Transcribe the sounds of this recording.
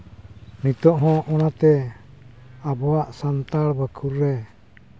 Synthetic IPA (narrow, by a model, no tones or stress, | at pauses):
nit̪ɔʔɦɔ̃ʔɔnat̪ɛ | abɔwaʔsant̪aɽbəkʰuɾːɛ